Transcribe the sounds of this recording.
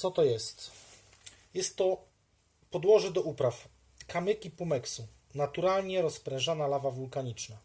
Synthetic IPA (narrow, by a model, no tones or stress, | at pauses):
t̪sɔt̪ɔjɛst̪ | jɛst̪ːɔ | pɔd̪wɔʐɘd̪ɔupɾaf | kamʲɛkʲipumɛksu | nat̪uɾalɲɛɾɔspɾɛ̃ʐanalavavulkaɲit͡ʂna